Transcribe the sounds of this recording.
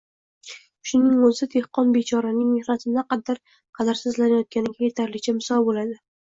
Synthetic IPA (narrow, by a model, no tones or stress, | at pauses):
ʃʊnɪŋozɪt̪ʰehqɒnbet͡ʃʰɒɾanɪŋme̞hnat̪ʰɪd̪aqɑd̪ːaɾ | qʰɑd̪aɾsɪzlanajɒt̪̚kʲanɪɡʲajet̪ʰaɾlɪk̚ʲt͡ʃʰamɪsɒlˠbolad̪ɪ